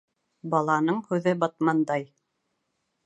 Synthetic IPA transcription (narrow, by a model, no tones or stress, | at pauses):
bɑlˠɑnɤɴhʉðɘbɑt̪̚mɑnd̪ɑj